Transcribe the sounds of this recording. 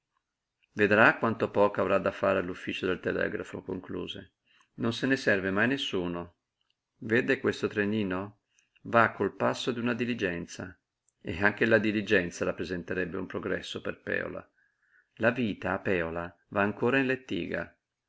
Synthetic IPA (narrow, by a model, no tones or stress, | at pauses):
ved̪ɾakːwant̪opɔːkoavɾad̪ːafːaːɾealufːiːt͡ʃod̪elt̪elɛ̰ːɡɾafo̰ko̰ŋklṵːzḛ | nonsenesɛrvemajnesːuːno | veːd̪ekwest̪ot̪ɾeniːno | vakʰːolpasːod̪iunad̪ilid͡ʒɛnt̪sa | eaŋk̟elad̪ilid͡ʒɛnt̪saɾapːɾezent̪eɾɛbːeumpɾoɡɾɛ̰sːoperpɛ̰ːo̰la̰ | laviːt̪aːpːɛːola | vaːŋkoːɾainlet̪ːḭːɡa̰